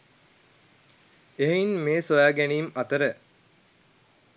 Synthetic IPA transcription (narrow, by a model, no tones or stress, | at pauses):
eɦeinmeːsoʋæːɡæniːmɐt̪əɾə